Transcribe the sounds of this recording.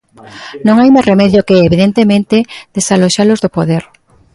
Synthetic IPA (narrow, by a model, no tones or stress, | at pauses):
nõŋajmajsremɛðjokeeβiðent̪emẽnt̪ɪd̪̥esaloʃalozðopoðɛɾ